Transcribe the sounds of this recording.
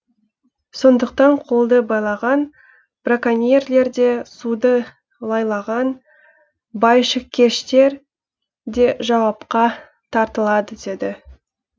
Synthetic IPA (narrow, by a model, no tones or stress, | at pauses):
so̞nd̪əqt̪ɑɴqʰo̞lˠd̪əbɑjlˠɑʁɑn | b̥rakanʲijerle̞ɾd̪e̞sud̪ə | lˠɑjlˠɑʁɑn | bɑjʃəkʲʰe̞ʃt̪e̞ɾ | d̪e̞ʒɑwɑpqɑ | t̪ʰɑɾt̪əlˠɑd̪əd̪e̞d̪ɪ